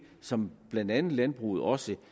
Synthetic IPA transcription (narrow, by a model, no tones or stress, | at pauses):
sɒ̽mb̥lænd̥ænð̩ˠlænb̥ʁṵð̞̩ˠɒ̽sə